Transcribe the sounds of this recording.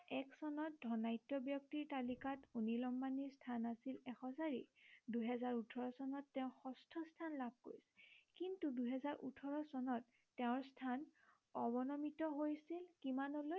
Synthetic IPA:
ɛksɔnɔt̚dʱɔnajtːɔbjɔk̚tiɹtalikatunilɔmbaniɹstʰanasilɛxɔsaɹḭduɦɛzaɹutʰɔɹɔsɔnɔtːɛʊ̃xɔstʰɔstʰanlab̚ʱkoɹisɛ̥kintuduɦɛzaɹʔṵtʰɔɹɔsɔnɔtː | ɛʊ̃ɹstʰan | ɔbɔnɔmitɔɦojsilkimanɔloj

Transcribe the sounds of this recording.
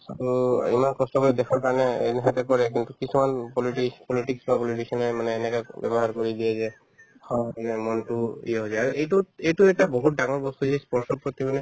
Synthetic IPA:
tuḭmankɔstɔkɔd̪ɛkʰaɹkaɹɔnɛɛ̰nɛɦʰat̪ɛkɔɹɛk̬intukisumanpɔliʈispɔliʈiksbapɔliʈikʰɔnɔjmanɛːnɛkabɛ̰bɔɦaɹkoɹid̪ijɛzɛ | hmanɛmɔntuḭjaɦozaaɹuʔejtuejtuɛʈabɔɦut̚daŋɔɹbɔst̪uzajspɔɹsɔpɔt̪imanɛ

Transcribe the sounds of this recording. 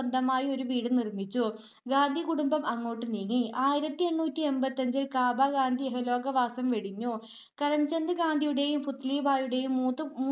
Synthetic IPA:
ɐnd̪ɐmaːjio̞ɾuʋiːɽɨnirmit͡ɕːu | ɡaːnd̪ʱikuɽumbɐmɐŋːoːʈːɨniːŋːiʔaːjiɾɐt̪ːieɳːuːtːie̞mbɐt̪ːɐɲd͡ʑilkaːbaːɡaːnd̪ʱieɦɐlo̞ːɡɐʋaːsɐmʋeɽiɲːu | kɐɾɐmt͡ɕend̪ɨɡaːnd̪ʱijuɽe̞ːjumfut̪ːliːbaːjuɽe̞ːjumːuːt̪ːɨmː

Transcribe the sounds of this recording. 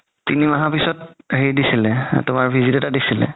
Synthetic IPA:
tinimaɦapisɔt̚ɦejdisilɛtʊmaɹbʱizitɛtadisilɛ̰

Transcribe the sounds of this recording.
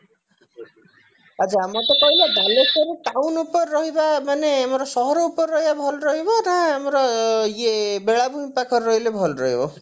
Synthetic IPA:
ʌd͡zamʌt̪ʌpʌilebʱalesʌɾiʈ̪awnupʌrːʌɦibabʱʌneɦamɾʌsʌɦʌɾupʌrːʌɦjbabʱʌlrʌɦeboɾʌɦamɾʌjebeɭabuɦĩpakʰʌrːʌjlebʱʌlrʌɦebo

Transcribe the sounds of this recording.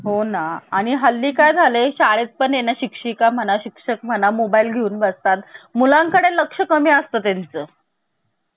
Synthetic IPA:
ɦonaːɽ̃iɦəlːiːkajd͡zʱaleɕaɭet̪̚pəɳjenjaɕikʂiːkam̤əñaɕikʂək̚m̤ənamobailɡʱeuːnbəst̪at̪mulãŋkəɽeləkʂəkəmiːəst̪əːt̪ant͡səː

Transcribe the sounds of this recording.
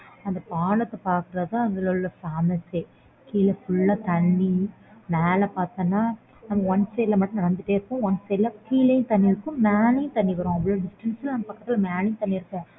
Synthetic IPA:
ɐnd̪ɐpaːɳɐt̪ːɐpaːɾkɯɾɐt̪ãːɐðɯlɔlːɐfaːmɐse | kiːlɛfʊɭːaːt̪ɐɳːi | mɛːlɐpaːɾt̪ɐ̃ːnːaː | nɐmːɐɔnseːlɐmɐʈːʊ̃nɪɾɐnd̪ɯʈːeːɾɯkːʊ̃ɔnseːlːɐkiːlɐjʊ̃t̪ɐnːiɪɾɯkːʊ̃mɛːnɪjʊ̃t̪ɐɳːiʋɐɾõːɐʋɐɭoːɖɪsʈɐnsɐlnɐmːɐpɐkːɐt̪ːɪlɐmaːnɪj̃t̪ɐɳːiɪɾɯkːɛ̃ː

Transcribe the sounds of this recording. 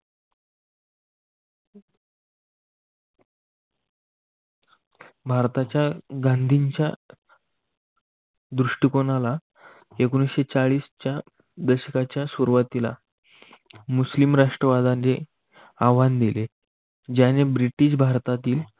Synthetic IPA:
bʱaɾt̪at͡ɕjaɡand̪ʱiɲt͡ɕja | d̪ɾuʂʈikonala | ekunisɕet͡saɭiːst͡ɕja | d̪əɕəkat͡ɕjasuɾʋat̪ila̰ | muslimɾaʂʈɾəʋad̪ae | aʋand̪ile | d͡ʑanebɾiʈiːɕ̬bʱaɾt̪at̪iːl

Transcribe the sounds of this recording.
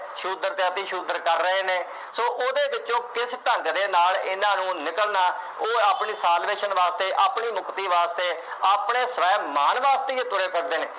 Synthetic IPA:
ʃuːd̪əɾt̪et̪iːʃuːd̪əɾkəɾːəɦeːneː | soːʔoːd̪eːbɪt͡ʃõːkɪsʈəŋɡd̪eːnaːlɪnãːnũːnɪkəlnaː | oːaːpɳiːsaːlʋeːʃənʋaːst̪eːʔaːpɳiːmʊkt̪iːʋaːst̪eː | aːpɳeːsəʋɛːmaːnʋaːst̪eːet̪ʊɾeːpʰəɾd̪eːnḛː

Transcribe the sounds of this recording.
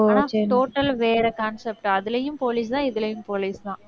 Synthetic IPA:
aːnaːʈoːʈːɐlʋeːɾɐkaːnsɛp̚ʈɐðɪlɐjɯmpoːliːs̬t̪ãːɪðɪlɐjɯmpoːliːst̪ãː

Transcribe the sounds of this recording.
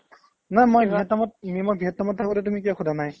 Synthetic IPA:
namojbʱiɦɛtːamɔt̚mimɔbʱiɦɛtːamɔt̚tʰːakɔtɛtumikɔxʰudʱanaj

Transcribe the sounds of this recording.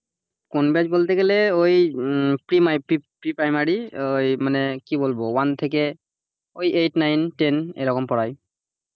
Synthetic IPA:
konbiad͡ʒbolt̪ɛkɛlɛojpɹimajpipɹipɹajmaɹiojmanɛkibolbɔwant̪ʰekɛ | ojʔejtnajntenḛjlɔkɔmpɔɹaj

